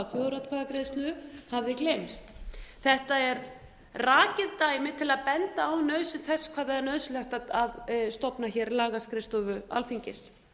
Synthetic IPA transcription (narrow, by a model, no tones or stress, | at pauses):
fjowðɾat̪kʰvaðakɾejst̪lʏhavðɪklejmst̪θɛht̪aɛɾ | raːcɪðt̪aːjmɪt̪ʰɪlaðpɛnt̪aːwnœːðsɪnθɛskʰvaːðɛaɾnœðslɛxt̪aaðst̪ɔpnaçɛːɾlaːɣaskɾɪst̪ɔvʏa̰lfiɲcɪs